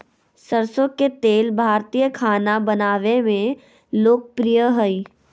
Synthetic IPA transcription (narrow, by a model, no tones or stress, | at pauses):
səɾsoket̪eːlbʱaːɾt̪ijəkʰaːnabɐnaːʋemẽ | loːk̚pɾijəɦəi